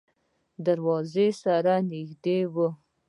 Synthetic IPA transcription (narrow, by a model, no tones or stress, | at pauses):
d̪aɾwɑzesaɾanɪxd̪ewə